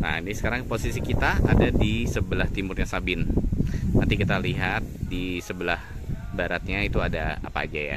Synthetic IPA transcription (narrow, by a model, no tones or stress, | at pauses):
na̰nisə̥kaɾaŋposisikit̪aʔadadisəbəlaht̪imʊrɲasabɪn | nant̪ikit̪aliɦat̪̚disəbəlah | baɾat̪̚ɲait̪uadaa̰pa̰ːd͡ʒaja̰